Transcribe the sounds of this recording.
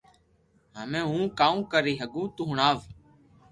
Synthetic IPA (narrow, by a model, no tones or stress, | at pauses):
ɦəmẽːɦũːkaːũːkəɾiːɦəɡũːt̪uːɳaːʋ